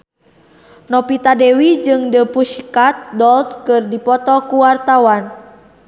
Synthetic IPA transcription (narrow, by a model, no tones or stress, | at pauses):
nɔpit̪adɛwid͡ʒɨŋdəpuʃikat̪̚dɔlskɨrdipɔt̪ɔkuwart̪awan